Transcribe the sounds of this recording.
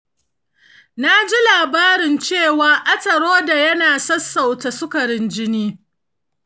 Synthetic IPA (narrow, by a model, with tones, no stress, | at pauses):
na˦d͡ʒi˦laː˨baː˦ɾɪ˨nt͡ʃeː˦˨waː˨ʔɐ˦tɐ˨ɽoː˦da˨jɐ˦naː˨sɐ˦sːa˨wta˨sʊ˦kɐ˨ɾɪ˦nd͡ʒɪ˦niː˦